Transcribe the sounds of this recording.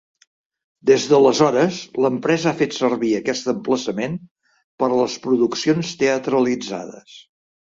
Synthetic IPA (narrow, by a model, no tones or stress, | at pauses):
d̪ezðələzɔɾəsləmpɾɛzəafet̪səɾβiəkɛst̪əmpləsəmen | pəɾləspɾuðuksionst̪eət̪ɾəlid͡za̰ðə̰s